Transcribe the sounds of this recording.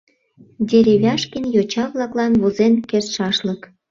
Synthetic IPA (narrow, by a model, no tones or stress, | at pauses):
dʲeɾeβʲɑʃkənjot͡ɕɑβlɑklɑnβozenkersʃɑʃlək